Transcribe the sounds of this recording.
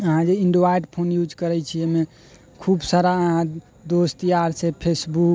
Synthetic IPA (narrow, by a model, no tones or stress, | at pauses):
əɦãd͡ʒeiɳɖoʋajɖpʰonjud͡ʒkəɾɛt͡ʃʰiɛme | kʰubsaɾaəɦã | d̪ost̪ijaɾsepʰesbuk